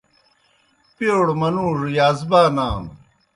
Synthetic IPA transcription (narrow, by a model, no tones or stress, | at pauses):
pjoːɽmɐnuːʐjaːzbaːnaːm